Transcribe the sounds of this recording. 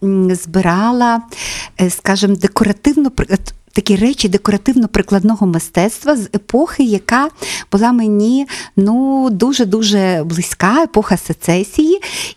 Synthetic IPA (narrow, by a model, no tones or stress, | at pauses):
zbɪɾɑlˠɐ | skɑʒɪmd̪ekɔɾɐt̪ɪwnɔpt̪ɐkʲirɛt͡ʃʲid̪ekɔɾɐt̪ɪwnɔpɾɪklˠɐd̪nɔɦɔmɪst̪ɛt̪st̪ʋɐzepɔxɪjɐkɑbʊlˠɑmenʲinud̪uʒɛd̪uʒɛblˠɪsʲkɑepɔxɐset̪sɛsʲiji